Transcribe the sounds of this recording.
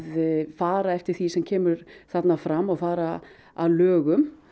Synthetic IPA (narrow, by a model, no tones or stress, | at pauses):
ðfaːɾaɛft̪ɪɾ̥θisɛmcʰɛːmʏɾ̥θat̪nafɾamːɔɣfaːɾa | aðlœːɣʏm